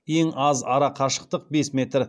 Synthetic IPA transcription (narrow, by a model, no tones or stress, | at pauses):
je̞ŋɑzɑɾɑqʰɑʃə̥q̚t̪əq̚be̞sme̞t̪r